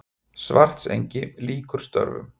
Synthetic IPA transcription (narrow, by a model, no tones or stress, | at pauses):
svar̥t̪sejɲcɪliːkʏɾ̥st̪œ̰ɾvʏ̰m